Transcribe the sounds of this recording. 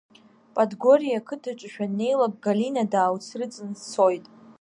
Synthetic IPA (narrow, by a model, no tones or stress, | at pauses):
pʼadɡoɾijakʰɨtʰat͡ʃʼʃᶣane̞jlakʼɡalinadaːwt͡sʰrɨt͡sʼɨnt͡sʰo̞jtʼ